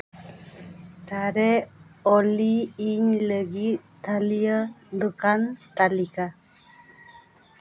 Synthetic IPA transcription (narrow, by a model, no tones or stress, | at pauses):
t̪aɾeoliːɲləɡitt̪alijəd̪ukant̪alika